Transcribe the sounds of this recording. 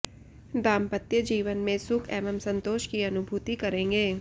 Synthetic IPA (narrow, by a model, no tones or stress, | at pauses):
d̪aːmpət̪jəd͡ʒiːʋənmẽsʊkʰɛːməmsə̃nt̪oːʃkiɐnʊbʱuːt̪ikɐɾẽːŋɡeː